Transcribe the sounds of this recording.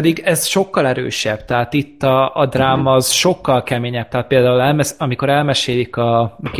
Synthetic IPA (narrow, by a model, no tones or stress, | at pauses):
d̪iɡɛzʃo̞kːɒlɛɾø̰ːʃɛb̥t̪ɛɦaːt̪it̪ːɒːd̪raːmɒːz̥ʃo̞kːɒlkɛmeːɲɛb̥̚t̪ɛɦaːt̪̚peːld̪aːulɛlmɛsɒmiko̞ɾɛlmɛʃeːlikɒk